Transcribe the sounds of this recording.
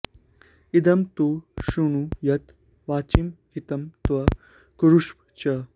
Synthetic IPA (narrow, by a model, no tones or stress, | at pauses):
id̪ɐmt̪uʃuɳ̃ujɐt̪ | ʋaːt͡ɕimhit̪ɐmt̪ʋɐ | kuɾuʂpt͡ɕɐ